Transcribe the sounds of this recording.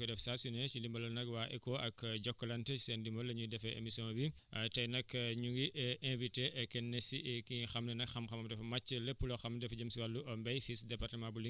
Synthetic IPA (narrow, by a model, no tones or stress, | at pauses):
kidɛfsasjɔnet͡ʃilimbɐlɐlnɐkwaːʔɛkoʔɐkɟɔkːɔlɐntɛi̥sendimbɐlːɐɲudɛfɛḛmisiɔ̃nbi | tɐjnɐkɲuŋɡiʔɛ̃viteʔɛkːɛnːesikixɐmnɐnɐkxɐmxɐmɐmdɛfɐmɐt͡ʃːəlepːulɔxɐmdɛfɟɐmsiwɐlːuʔɐmbɛjfisdɛpartɐmãbuli